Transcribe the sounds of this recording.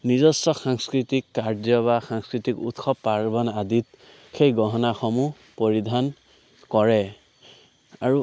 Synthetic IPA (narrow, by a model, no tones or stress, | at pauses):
nizɔstɔxaŋskɹitikːaɹzɔβaxaŋskɹitikṵtxʰɔpːaɹbɔnadit | xejɡɔɦɔnaxɔmu | poɹidʱan | kɔɹɛ | aɹu